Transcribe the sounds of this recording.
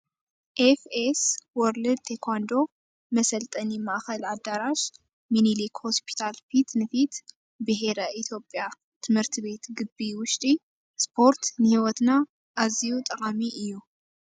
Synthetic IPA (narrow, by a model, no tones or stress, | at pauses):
ʔefeswɔɾlɨd̪̚t̪ʰekʰand̪o̞ | mɐsɐlt̪ʼɐnimaʔxɐlʕad̪ːaɾaʃ | minilikho̞spʰi̥t̪ʰalfit̪nɨfit̪ | bɨɦeɾaʔit̪ʰjo̞pʼːja | t̪ʰɨmhɨɾt̪ʰɨβe̞t̪ɡɨbːiwʊʃt̪ʼi | spʰo̞ɾt̪nɨhiwɔt̪na | ʔːzijut̪ʼɐkʼamiʔɨjːu